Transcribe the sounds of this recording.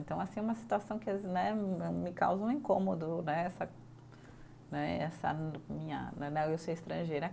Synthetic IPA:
nt̪ɐ̃w̃asĩɛũmɐsi̥t̪uasɐ̃w̃kɪanɛmɪka̰wzɐ̃ũẽkõmod̪ʊnɛɛsɐ | nɛɛsɐ̰mĩɲɐ̰nɛnɐ̃w̃ewsoɪst̪ɾɐ̃ʒejɾɐ

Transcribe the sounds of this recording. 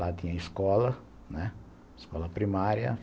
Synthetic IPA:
lat̪ĩɲɐiskɔlɐ | nɛ | skɔlɐpɾimaɾjɐ̰

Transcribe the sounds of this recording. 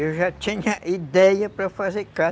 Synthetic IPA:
ewʒat͡ʃĩɲɐʔid̪ɛjɐpɾɐfazeɾka

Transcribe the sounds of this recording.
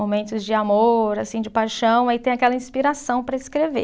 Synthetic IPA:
momẽnt̪ʊzd͡ʒɪamoɾasĩd͡ʒɪpajʃɐ̃w̃ait̪ẽj̃akɛlɐĩspiɾasɐ̃w̃pɾɐɪskɾevḛ

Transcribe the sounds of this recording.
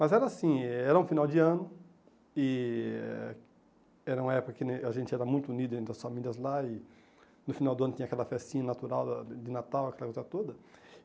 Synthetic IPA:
mɐzɛɾɐasĩɛɛɾɐũfinawd͡ʒɪɐ̃nʊ | ɪ | ɛɾɐũmɐɛpʊkɐkɪneaʒẽnt͡ʃɪɛɾɐmũj̃t̪ʊunid̪ʊẽnt̪ɾɐsfamilʲiɐzlaɪ | nʊfinawd̪ʊɐ̃nʊt̪ĩɲɐakɛlɐfɛstĩɲɐnat̪uɾawd̪d͡ʒɪnat̪awɐkɛlɐkojzɐt̪od̪ɐ

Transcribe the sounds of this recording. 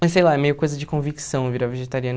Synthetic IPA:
ɐjsejlˠaɛmejʊkojzɐd͡ʒɪkõviksɐ̃w̃viɾɐveʒet̪aɾiɐ̃n

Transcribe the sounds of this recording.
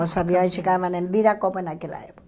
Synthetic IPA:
osaβioisikaβanembiɾakopenakela̰epo̥k

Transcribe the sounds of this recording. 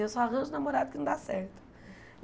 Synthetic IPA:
ewsɔaɦɐ̃ʒʊnamoɾad̪ʊkɪnɐ̃w̃d̪asɛ̰ɾt̪ʊ̥

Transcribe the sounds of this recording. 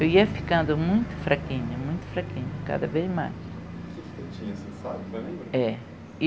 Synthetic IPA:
ewiɐfi̥kɐ̃nd̪ʊmũj̃t̪u̥fɾʔakĩɲɐmũj̃t̪u̥fɾɐkĩɲɐkɐ̰ðɐveʒma̰jʃ | e | et͡ʃĩɲɐsẽsaðɐ̃ɛ

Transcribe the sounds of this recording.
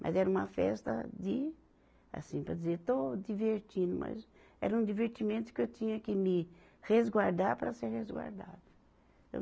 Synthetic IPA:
mʔɐ̰zɛɾɐũmɐfɛ̰st̪ɐ̰d̪ɪ | a̰sĩpɾɐd̪izeɾt̪od̪iveɾt͡ʃĩd̪ʊmɐ̰z | ɛ̰ɾɐũd̪iveɾt̪imẽnt̪ʊ̥kɪewt̪ĩɲɐkɪmɪ | hezɡwaɾd̪aɾpɾɐseɾhezɡwa̰ɾd̪a̰d̪ɐ | e

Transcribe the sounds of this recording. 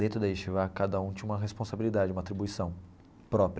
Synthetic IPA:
d̪ẽnt̪ɾʊd̪ɐiʃivakad̪ɐũt̪ẽũmɐɦespõsabilid̪ad͡ʒɪumɐat̪ɾibuisɐ̃w̃ | pɾɔpɾ

